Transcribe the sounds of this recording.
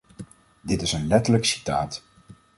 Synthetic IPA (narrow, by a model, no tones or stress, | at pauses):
dɪtɪsənlɛtələksi̥ta̰ːt